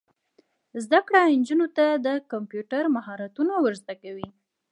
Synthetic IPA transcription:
zd̪akɽand͡ʒunot̪ad̪əkampjuʈaɾmahɑɾat̪unawəɾzt̪akawi

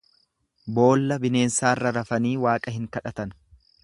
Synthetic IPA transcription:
bo̞ːlːɐbɪne̞ːnsaːrːɐɾɐfɐniːwaːkʼɐɦɪŋkɐᶑɐt̪ɐn

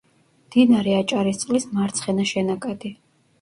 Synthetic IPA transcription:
md̪̥inaɾɛat͡ʃʼaɾist̪sʼlismaɾt̪sʰχɛnaʃɛnakʼad̪̥i

